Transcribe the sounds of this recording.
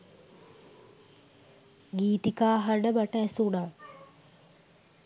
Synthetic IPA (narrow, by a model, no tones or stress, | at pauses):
ɡiːt̪ikaːɦaɖəbaʈəɛsuɽa